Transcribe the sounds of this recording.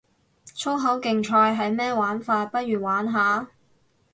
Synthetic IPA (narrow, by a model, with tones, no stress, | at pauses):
t͡ʃʰo˥wɦɐ˨˥wkɪ˨ŋt͡ʃʰɔː˧jɦɐ˨jmɛː˥waː˨˥nfaː˧t̚pɐ˥t̚ɥyː˨˩waː˨˥nɦaː˨˥